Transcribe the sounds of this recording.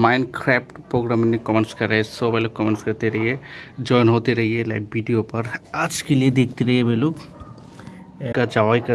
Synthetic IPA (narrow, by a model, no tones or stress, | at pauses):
maɪnkɾɛːpʈpɾoːɡɾaːmnekɔmenskɐɾaesobʱelokːɔmẽnskɐɾt̪eɾɐɦied͡ʒɔːɪnɦot̪eɾɐɦiela̰ːk̚biɖijopɐɾad͡ʒkelied̪eːk̚ʰt̪iɾɐɦiebʱelok | kɐd͡ʒaʋaikɐ